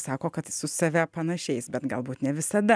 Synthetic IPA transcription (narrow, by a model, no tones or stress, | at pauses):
sɑːkoːkɐt̪sʊsɐʋʲæpɐnɐʃʲɛɪsbʲɛt̪ɡɐlˠbuːt̪nʲɛʋʲɪsɐd̪ɐ